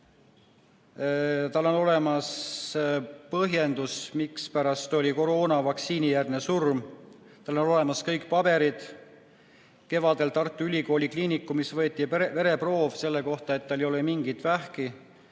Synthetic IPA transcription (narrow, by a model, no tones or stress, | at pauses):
t̪ɑlːo̞no̞le̞mɑs | pɤɦje̞nd̪usmikspæɾɑst̪olʲiko̞ɾoːnɑvɑksiːnijærd̪nesurm | t̪ɑlːo̞no̞le̞mɑskɤjkpɑb̥e̞ɾid̪̥ | ke̞vɑd̪e̞lt̪ɑrt̪ːˑuylʲiko̞ːlʲikliːnikːˑumisvɤet̪ːˑive̞ɾe̞pro̞ːvse̞lːe̞ko̞ht̪ɑe̞t̪ːɑlejo̞lemiŋɡ̥it̪væhki